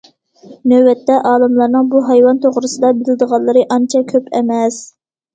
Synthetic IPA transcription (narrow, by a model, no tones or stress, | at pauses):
nøbɛt̪ːɛʔɑːlˠɨmlˠɑɾnɨŋbuɦɑjwɑnt̪ʰoʁɾɨsɨd̪ɑbɪlɪd̪əʁɑlˠːɨɾɨʔɑnt͡ʃʰɛkʲʰøpʰɛ̰mɛs